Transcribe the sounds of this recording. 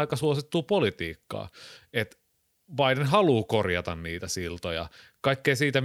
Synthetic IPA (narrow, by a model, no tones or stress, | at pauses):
ikɑsuosit̪ːuːpolit̪iːkːɑ̰ːet̪ | ʋɑidenɦɑluːkorjɑt̪ɑnniːt̪æsilt̪ojɑ̰kɑikːeisiːt̪æ